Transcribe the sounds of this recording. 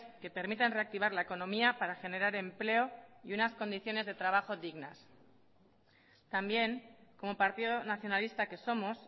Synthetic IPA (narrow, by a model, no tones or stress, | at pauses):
ke̞pe̞ɾmit̪enre̞ak̚t̪iβ̞aɾlaeko̞nõ̞miapaɾaxe̞ne̞ɾaɾe̞mple̞o̞iunasko̞nd̪iθjo̞ne̞zðe̞t̪ɾaβ̞axo̞ðiɣnas | t̪ambje̞ŋko̞mo̞paɾt̪iðonaθjo̞nalist̪ake̞so̞mo̞s